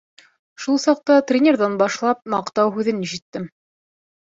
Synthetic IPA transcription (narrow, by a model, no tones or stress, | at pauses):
ʃulˠsɑq̚t̪ɑt̪rʲenʲerðɑnbɑʃlˠɑp̚mɑqt̪ɑwɦʉðɘnːiʃɘ̆t̪ːɘm